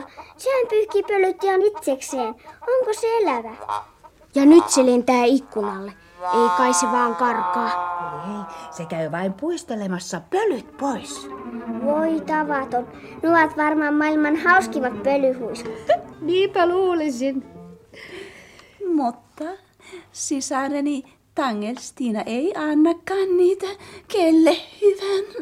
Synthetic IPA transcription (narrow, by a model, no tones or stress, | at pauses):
sehæmpyhkiːpølyt̪ihɑnit̪sekseːnoŋkoseelæʋæ | jɑnyt̪selent̪æːikːunɑlːe | eikɑiseʋɑːŋkɑrkɑːeisekæyʋɑimpuist̪elemɑsːɑpølyt̪poisʋoit̪ɑʋɑt̪on | nuɑt̪ʋɑrmɑːmmɑilmɑnhɑuskiʋɑt̪̚pølyhuiskɑmiːmpæluːlisin | mut̪ːɑ | sisɑreni | t̪ɑŋːelst̪iːnɑʔeiɑnːɑkːɑːnniːt̪ækelːehyʋæn